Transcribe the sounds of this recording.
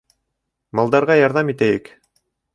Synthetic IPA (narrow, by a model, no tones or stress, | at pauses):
mɑlˠd̪ɑɾʁɑjɑɾðɑmit̪æjɘk